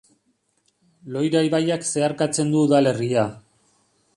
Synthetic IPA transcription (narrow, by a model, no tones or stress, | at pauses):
lo̞jɾajβajakse̞aɾkat͡se̞nd̪uːðale̞ria